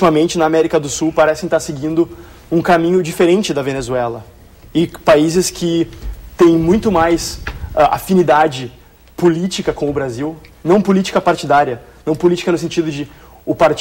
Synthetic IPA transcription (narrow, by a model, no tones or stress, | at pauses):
t͡ʃivɐmẽnt͡ʃɪnɐːmɛɾikɐd̪ʊsuwpaɾɛsɪ̃ɪt̪asɪɡĩnd̪ʊ | ũkamĩɲʊd͡ʒifeɾẽnt͡ʃɪd̪ɐvenezuɛlɐ | ɪpaizɪskʰɪt̪ẽj̃mũj̃t̪ʊmajsaʔa̰finid̪ad͡ʒɪ | polit͡ʃikɐkõw̃ʊbɾaziwnɐ̃w̃polit͡ʃi̥kɐpaɾt͡ʃid̪aɾjɐnɐ̃w̃polit͡ʃi̥kɐnʊs̬ẽnt͡ʃid̪ʊd͡ʒɪ | ʊpaɾt͡ʃ